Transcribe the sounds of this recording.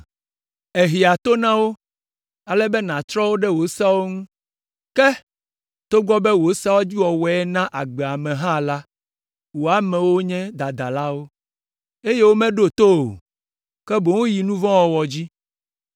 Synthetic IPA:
e˨ɦi˨a˨t̪o˦nã˦wo˦ | a˨lɛ˦bɛ˦nã˨t̪ɾɔ˦wo˦ɖɛ˦wo˨˦sa˦wo˦ŋũ˦ | kɛ˦ | t̪o˦ɡɔ˦bɛ˦wo˨sa˦wo˦d͡ʑi˦wɔ˨wɔ˨ɛ˦nã˦ʔa˨ɡ͡bɛ˨a˨mɛ̃˨ɦã˦la˦ | wo˨a˨mɛ̃˨wo˦ɲɛ̃˦d̪a˨d̪a˨la˦wo˦ | e˦je˦wo˦mɛ̃˦ɖo˦t̪o˦o̰˨ | kɛ˦bo˨ŋũ˦ji˨nũ˦vɔ̃˦wɔ˨wɔ˨d͡ʑi˦

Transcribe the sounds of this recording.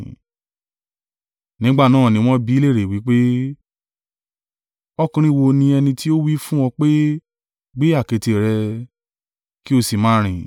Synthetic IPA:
nĩ˨˦ɡ͡ba˦˨nãː˦˨nĩ˧w̃ɔ̃˦bi˦le˦˨ɾe˨wi˨˦k͡pe˦ | ɔ˦kũ˧ɾ̃ĩ˦˨wo˧nĩ˧ɛ˧nĩ˧ti˦o˦wi˦fũ˦w̃ɔ̃˧k͡pe˦ | ɡ͡be˦a˦˨ke˧te˨ɾɛ˧ | ki˦o˧si˨mãː˦ɾ̃ĩ˨

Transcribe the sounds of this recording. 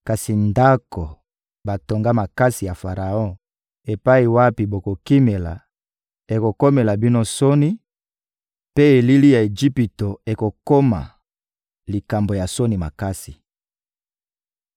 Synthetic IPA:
ka˨si˨nda˦ko˨ | ba˨to˨ŋɡa˦ma˨ka˦si˨ja˨fa˨ʁa˨ɔ̃˦ | e˨pa˦i˨wa˦pi˨bo˨ko˨ki˦me˨la̰˨ | e˨ko˨ko˦me˨la˨bi˦no˦so˦ni˦ | pe˦e˨li˦li˦ja˨e˨d͡ʒi˦pi˨to˨e˨ko˨ko˦ma̰˨ | li˨ka˨mbo˨ja˨so˦ni˨ma̰˨ka˦si̥˨

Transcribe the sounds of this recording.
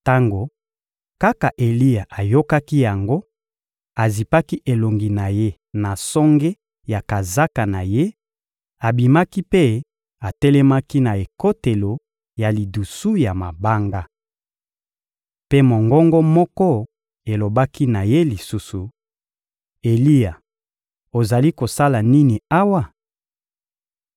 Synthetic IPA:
ta˦ŋɡo˨ | ka˦ka˨ʔe˨li˦ja˨ʔa˨jo˦ka˦ki˦ja˨ŋɡo˦ | a˨zi˨pa˦ki˦ʔe˨lo˨ŋɡi˨na˨je˦ | na˨sɔ˦ŋɡe˦ | ja˨ka˨za˦ka˨na˨je˦ | a˨bi˨ma˦ki˦pe˦ | a˨tɛ˦lɛ˦ma˦ki˦na˨e˨ko˦te˨lo˨ | ja˨li˨du˨su˦ja˨ma˨ba˦ŋɡa˦ | pe˦mo˨ŋɡɔ˦ŋɡɔ˦mɔ˦kɔ˦ | e˨lo˨ba˦ki˦na˨je˦li˨su˦su˨ | e˨li˦ja˨ | o˨za˨li˦ko˨sa˦la˨ni˦ni˨a˦wa˦

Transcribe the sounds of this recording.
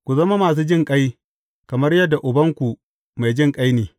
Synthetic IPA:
kʷu˨zɐ˦ma˦maː˨s̬uː˦d͡ʒɪ˦ŋkʼa˦j | kɐ˨mɐ˦rjɐ˦dːa˨ʔʊ˨bɐ˦ŋkʷu˨ | ma˨jd͡ʒɪ˦˨ŋkʼa˦jneː˨

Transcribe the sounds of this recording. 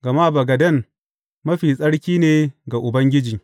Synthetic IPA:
ɡ̥ɐ˨maː˦bɐ˨ɡɐ˨dɐ˦˨n | mɐ˦ɸiː˨sʼɐ˦ɽkʲiː˦neː˨ɡa˨ʔʊ˨bɐ˦ŋɡʲɪ˦d͡ʒiː˨

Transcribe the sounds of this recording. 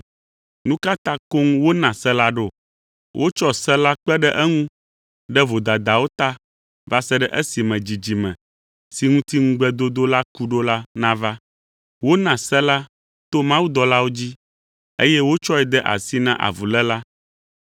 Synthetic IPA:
nũ˦ka˦t̪ã˦ko˦ŋ˦wo˦nã˨sɛ˦la˦ɖo˦˨ | wʔo̰˦t͡ʃɔ˦sɛ˦la˦k͡pɛ˦ɖɛ˦ʔɛ˦ŋũ˦ | ɖɛ˦vo˨d̪a˨d̪a˨wo˦t̪a˦ | va˦sɛ˦ɖɛ˦ʔɛ˦si˨mɛ̃˨d͡ʑi˨d͡ʑi˨mɛ̰̃˨ | si˨ŋũ˦t̪i˦ŋũ˦ɡ͡bɛ˦d̪o˦d̪o˦la˦ku˦ɖo˦la˦nã˦va˦ | wo˦nã˨sɛ˦la˦ | t̪o˦mã˦wu˦d̪ɔ˨la˦wo˦d͡ʑi˦ | e˦jɛ˦wo˦t͡ʃɔ˦ɛ˨d̪ɛ˦ʔa̰˨si˦nã˦ʔa̰˨vu˨lɛ˦la˦

